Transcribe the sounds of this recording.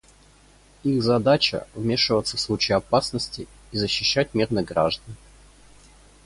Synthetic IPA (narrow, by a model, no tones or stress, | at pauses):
ixzɐd̪at͡ɕə̰vmʲe̞ʂɨvət̪səfslˠut͡ɕɪjɐpasnəsʲtʲɪ | izəɕːɪɕːæt̚ʲmʲirnɨɡɾa̰ʐd̪ən